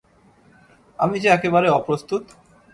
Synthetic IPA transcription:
amid͡ʑeɛkebaɾeɔpɾost̪ut̪

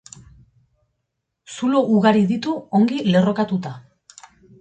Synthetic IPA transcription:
suloʔuɣaɾiðit̪uo̞ŋɡile̞ro̞kat̪ut̪a

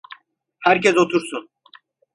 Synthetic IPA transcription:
hæɾcʰɛsot̪ʰuɾsun

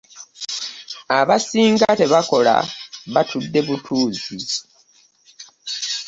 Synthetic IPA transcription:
aβasiːŋɡate̞βako̞la̰βatʰudːe̞βutʰuːzi

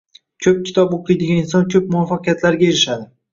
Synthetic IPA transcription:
kʲʰɵp̚kʲʰɪ̥t̪ʰɒboqlˠɨjd̪ɪɡʲanɪnsɒnkʲʰɵp̚mʊɒfːɑqɨjat̪ʰlaɾɡʲajeɾɪʃad̪ɪ

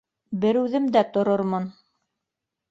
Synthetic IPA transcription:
bɘɾʉðɘ̆md̪æt̪ŏɾoɾmɤn

